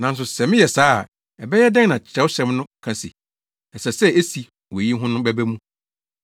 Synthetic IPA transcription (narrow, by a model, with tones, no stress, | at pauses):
nã˨n̩˦s̬ʊ˨sɛ˨mɪ̃˦jɛ˨saː˦˨ | ɛ˨bɛ˦jɛ˦dɛ̃˦ŋ˦nã˨t͡ɕʰɾɛ˨˦wʊ˦ɕɛ̃˦mnʊ̃˦kʰã˨sḭ˨ | ɛ˨sɛ˨sɛ˦e˦si˨ | wɔ˨ji˦ɦʊ̃˦nʊ̃˦bæ˦bæ˦mũ˦